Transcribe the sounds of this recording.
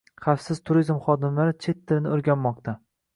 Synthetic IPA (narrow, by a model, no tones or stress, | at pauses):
χafsɪz̥t̪ʰʊɾizmχɒd̪ɪmlaɾɪt͡ʃʰe̞t̪ʰːɪɾɪnɪoɾɡʲanmɒq̚t̪ʰa